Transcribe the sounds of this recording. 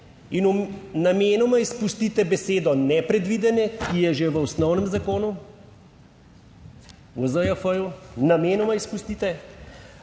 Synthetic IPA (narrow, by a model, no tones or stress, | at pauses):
inumnameːnɔmaispust̪it̪ɛbɛseːd̪ɔnɛpɾɛd̪ʋiːd̪ɛnɛkijɛʒeʋəɔsnɔwnɛmzakoːnu | wɔzəjafəjunameːnɔmaispust̪it̪ɛ